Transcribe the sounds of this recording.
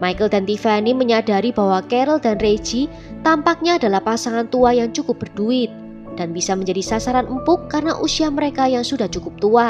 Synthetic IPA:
majkəldant̪ifaniməɲadaɾibawakɛɾəldanre̥d͡ʒi | t̪ampak̚ɲaːdalahpasaŋant̪uajaŋt͡ʃukʊp̚bərduɪt̪̚ | d̥anbisaməɲd͡ʒadisasaɾanəmpʊkːarnaʔusiaməɾekajaŋsudaht͡ʃukʊp̚t̪ua

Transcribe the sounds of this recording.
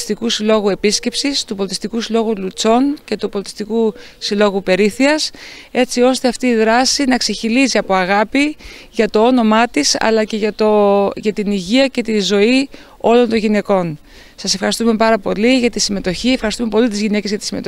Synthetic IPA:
st̪ikusilo̞ɣue̞pisce̞psist̪upolit̪i̥st̪ikusilo̞ɣulut͡so̞nce̞t̪upo̞lit̪i̥st̪iku | silo̞ɣupe̞ɾiθiɐs | e̞t͡sio̞st̪eɐft̪iːðɾɐsinɐkseçiliziɐpoɐɣɐpi | ʝɐt̪o̞o̞no̞mɐt̪isɐ̰lɐce̞ʝɐt̪oʝɐt̪iniʝiɐce̞t̪izo̞i | o̞lo̞nt̪o̞ɲʝine̞ko̞n | sɐse̞fxɐɾist̪ume̞pɐɾɐpo̞liʝɐt̪isime̞t̪o̞çie̞fxɐɾist̪ume̞po̞lit̪izʝine̞cezʝɐt̪i̥sime̞t̪o

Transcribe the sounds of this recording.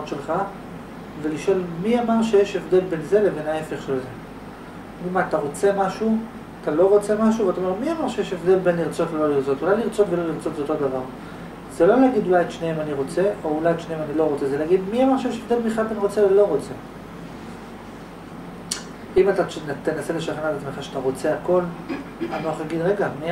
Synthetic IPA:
ot̪ʃe̞lχa | ve̞liʃo̞lmiamaʁʃejeʃevd̪e̞lbe̞nze̞leve̞nae̞fe̞χʃelze | ɡidmat̪aʁo̞t͡se̞maʃu | at̪alo̞ʁo̞t͡se̞maʃuveat̪aome̞ʁmiamaʁʃejeʃevd̪e̞lbe̞nliʁt͡so̞t̪velo̞liʁt͡so̞t̪ulajliʁt͡so̞t̪velo̞liʁt͡so̞t̪veot̪od̪avaʁ | z̥elo̞leaɡid̪ulajet̪ʃneemaniʁo̞t͡se̞ʔo̞ulajet̪ʃneemanilo̞ʁot͡se̞zeleaɡid̪miamaʁʃejeʃevd̪e̞lbiχalbeniʁo̞t͡sevlo̞ʁo̞t͡se̞ | imat̪ant̪enaseleʃaχenatat͡smeχaʃeat̪aʁo̞t͡se̞ako̞lanoaχlaɡid̪ʁe̞ɡami

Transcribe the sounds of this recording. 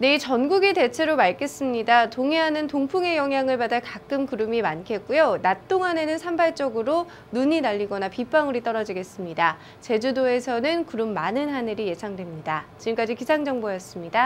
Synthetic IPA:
ne̞it͡ɕʌnɡuɡite̞t͡ɕʰe̞ɾomaɭk͈ʰe̞s͈ɯmɲidatoŋeɦanɯntoŋpʰuŋe̞jʌŋɦjaŋɯɭpadakak͈ɯmkɯɾɯmimankʰe̞t̚k͈ujonat͈oŋɦane̞nɯnsʰambaɭt͡ɕ͈ʌɡɯɾo | nuɲinaʎːiɡʌnapip͈ʰaŋɯɾit͈ʌɾʌd͡ʑiɡe̞s͈ɯmɲida | t͡ɕe̞d͡ʑudoe̞sʰʌnɯnkɯɾɯmːanɯnɦanɯɾije̞sʰaŋdwe̞mɲidat͡ɕiɯmk͈ad͡ʑikisʰaŋd͡ʑʌŋbojʌs͈ɯmɲida

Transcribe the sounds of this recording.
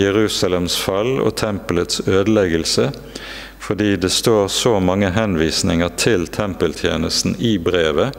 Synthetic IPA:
ɛʁʉːsɑlɛmsfɑlo̰ːt̪ʰɛmplət̪søːd̪əlɛɡəlsə | fɔd̪iːd̪eːst̪oːʁsoːmɑŋːəɦɛnʋiːsnɪŋəʁt̪ʰɪlt̪ʰɛmpəlt̪ʰjḛːnəst̪n̩iːbʁeːʋə

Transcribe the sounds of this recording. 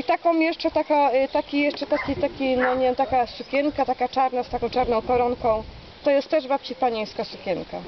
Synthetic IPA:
it̪akɔ̃w̃jɛʂt͡ʂɛt̪akat̪akʲijɛʂt͡ʂɛt̪akʲit̪akʲinɔɲevʲjemt̪akasukʲɛnkat̪akat͡ʂaɾnast̪akɔ̃w̃t͡ʂaɾnɔ̃w̃kɔɾɔnkɔ̃w̃ | t̪ɔjɛst̪t̪ːɛʐbapt͡ɕipaɲej̃skasukʲɛnka̰

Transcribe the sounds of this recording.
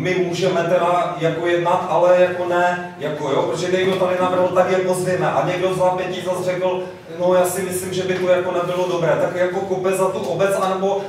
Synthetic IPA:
mɪmuːʒɛmɛt̪ɛɾajako̞jɛdnat̪ʔalɛjako̞nɛ | jakojopɾoʒɛnɛjdot̪adɪnabɾ̩ɦl̩t̪akjaɡ̚mozvɪmɛʔaɲɛɡdozvapjɛcizazr̝ɛkl̩ | nojaːsɪmɪslimʒɛbɪt̪ojakonɛbɪlodobɾɛːt̪akjakokopɛzat̪uʔobɛt͡sʔanɛbo̞

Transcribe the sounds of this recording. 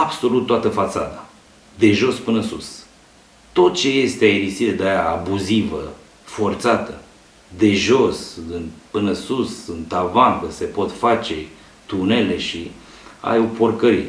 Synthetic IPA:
abso̞lut̪ːoat̪əfat̪sad̪a | d̪e̞ʒo̞spɨnəsṵs | t̪o̞t̪̚t͡ʃe̞je̞st̪eaiɾisiɾed̪ajaabuzivə | fo̞rt̪sat̪ə | d̪e̞ʒo̞sɨnpɨnəsusɨnt̪avankəse̞po̞t̪fat͡ʃe̞ | t̪une̞le̞ʃi | a̰jopo̞rkəɾi

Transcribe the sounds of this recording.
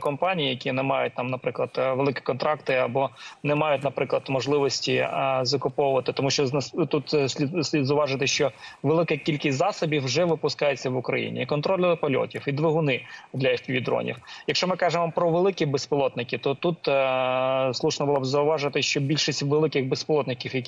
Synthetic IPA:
kɔmpɑnʲijijɐkʲinɛmɑjʊt̚ʲt̪ɑmnɐpɾɪklˠɐd̪ʋelˠɪkʲɪ̥kɔnt̪ɾɑkt̪ɪɐbɔnɛmɑjʊt̚ʲnɐpɾɪklˠɐd̪mɔʒlˠɪʋɔsʲtʲizɐkʊpɔwʊʋɐt̪ɪt̪ɔmuʃt͡ʃɔt̪ut̪sʲzɐʊʋɑʒɪt̪ɪʃt͡ʃɔʋelˠɪkɛkʲilʲkɪsʲzɑsɔbʲifwʒɛʋɪpʊskɑjet͡sʲːɐʋʊkɾɐjḭnʲḭikɔnt̪ɾɔlʲɐɐpɐlʲɔ̰tʲiwid̪ʋeɦʊnɪd̪lʲɐixpʲiʋʲid̪ɾɔ̰nʲḭwjɐkʃt͡ʃɔmɪkɑʒemɔpɾɔʋelˠɪkʲibesplˠɔt̪nɪkʲɪt̪ɔt̪ut̪ | slˠuʃnɔbʊlˠɔbzɐʊʋɑʒɪt̪ɪʃt͡ʃɔbʲilʲʃisʲtʲʋelˠɪkɪɣbespɔlˠɔt̪nɪkʲiwjɐkʲ

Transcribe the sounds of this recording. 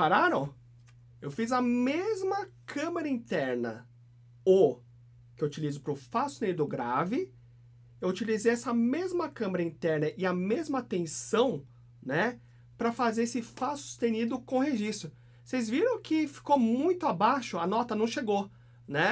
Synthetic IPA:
paɾaɾɐ̃w̃ | ewfizɐmezmɐkʰɐ̃meɾɐĩt̪ɛɾnɐ̰ | o | kɪewut͡ʃilizʊpɾʊfasʊst̪ẽnid̪ʊɡɾavɪ | ewut͡ʃilizejɛsɐmezmɐkɐ̃meɾɐĩt̪ɛɾnɐʔɪɐmezmɐat̪ẽsɐ̃w̃ | nɛ | pɾɐfazeesɪfasu̥st̪enid̪ʊkõheʒist̪ɾʊ | sejzviɾɐ̃w̃kɪfi̥komũj̃t̪ʊabaʃʊɐnɔt̪ɐnɐ̃w̃ʃeɡo | nɛ

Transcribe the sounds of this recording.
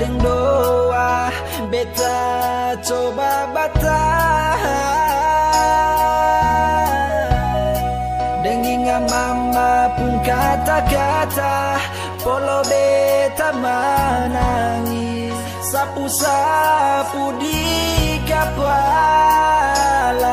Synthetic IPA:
dəŋdoa | bet̪at͡ʃobabat̪a | dəŋiŋamamːapuŋkat̪akat̪a | pɔlobet̪amanaŋi | sapusa | pudikapa | la

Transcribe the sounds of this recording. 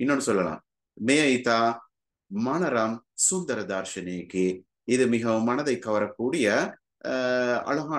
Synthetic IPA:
ɪnːonːɯsɔlːɐlã̰ː | mɛjɐjt̪aː | mɐnɐɾɐmsʊnd̪ɐɾɐd̪aːɾʃɐneːkːɯ | ɪðɯmɪɣɐmːɐnɐðɐɪkːɐʋɐɾɐkːuːɽɪjɐ | ɐ̰ɭɐɣaː

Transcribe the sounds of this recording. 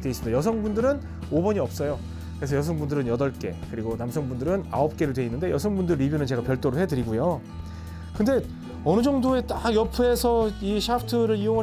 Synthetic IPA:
twe̞is͈ɯmdejʌs̬ʰʌŋbundɯɾɯn | obʌɲiʌp̚s͈ʌjo | kɾesʰʌjʌsʰʌŋbundɯɾɯnjʌdʌɭk͈e̞̰kɯɾiɡonamsʰʌŋbundɯɾɯna̰op̚k͈e̞ɾɯdwe̞inːɯnde̞jʌsʰʌŋbundɯɭːibjunɯnt͡ɕe̞ɡapjʌɭt͈oɾohe̞dɯɾiɡujo | kɯnde̞ | ʌnɯd͡ʑʌŋdoe̞t͈ajʌpʰue̞sʰʌiɕʰapʰtʰɯɾɯɾioŋa

